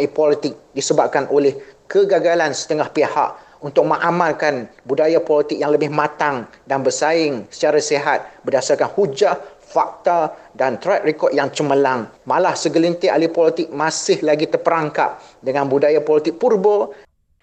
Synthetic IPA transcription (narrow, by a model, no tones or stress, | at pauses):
ipɔlit̪ɪk̚disəbap̚kanʔolɛhkəɡaɡalansə̥t̪əŋahpeha̰ʔ | unt̪ʊk̚mə̃ŋʔamãlkanbudajapɔlit̪ɪk̚jaŋləbɪhmãt̪aŋdanbərsaɪŋsə̥t͡ʃaɾaseɦat̪̚bədasarkanhud͡ʒaʔ | fak̚t̪adant̪ɾat̪̚rekɔt̪̚jaŋt͡ʃəməlaŋmalahsəɡəlint̪ɪa̰lipɔlit̪ɪk̚mãsɪhlaɡit̪ərpəɾaŋka̰p̚dəŋãnbudajapɔlit̪ɪk̚purbə